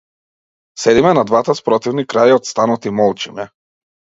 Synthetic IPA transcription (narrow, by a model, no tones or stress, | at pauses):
sɛd̪imɛnad̪vat̪aspɾɔt̪ivnikɾajɔt̪st̪anɔt̪imɔlˠt͡ʃimɛ